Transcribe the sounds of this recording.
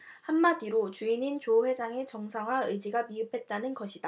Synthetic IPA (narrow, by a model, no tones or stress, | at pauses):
hamːadiɾot͡ɕuinint͡ɕoɸwe̞d͡ʑaŋe̞t͡ɕʌŋsʰaŋɦwaɯjd͡ʑiɡamiɯpʰe̞t̚t͈anɯnɡʌɕʰid̥a